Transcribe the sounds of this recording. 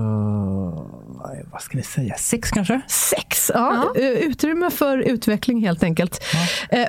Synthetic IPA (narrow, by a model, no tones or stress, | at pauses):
ɛ̰jvaskavɪsɛjːasɛkskʰanʂəsɛksɑːʉ̟ːt̪ɾʏmːəfœɾʉ̟ːt̪vɛklɪŋɦeːlt̪ɛŋkəlt̪